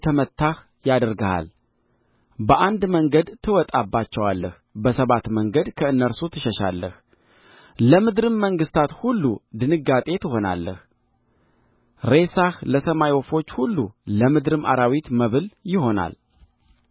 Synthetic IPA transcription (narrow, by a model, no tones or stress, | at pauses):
t̪ʰəmət̪ːah | jad̪əɾɡaha̰l | bəʔand̪məŋɡəd̪t̪ʰɨwɔt̪ʼabːat͡ʃːɛwalːəh | bəsəβat̪məŋɡəd̪kʰəɨnːəɾsut̪ʰɨʃəʃa̰lːə̰h | ləmɨd̪ɾɨmːəŋɡɨst̪ʰat̪hulːud̪ɨnɨɡːat̪ʼe̞t̪ʰɨɦo̞na̰lːə̰h | ɾe̞sahləsəmajwɔfo̞t͡ʃːhulːuləmɨd̪ɾɨmʔa̰ɾawit̪məβɨljɪho̞na̰l